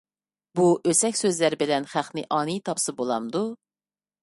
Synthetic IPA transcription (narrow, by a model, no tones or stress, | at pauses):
buʔøsɛkʲsøzlæɾbɪlɛnχæχnɪʔɑːnɨjt̪ʰɑpsɨbolˠɑmd̪u